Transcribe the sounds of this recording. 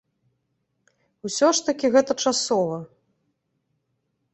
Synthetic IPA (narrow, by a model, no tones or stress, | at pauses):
uwsʲɔʂt̪ɐkʲiɣɛt̪ɐt͡ʂasɔvɐ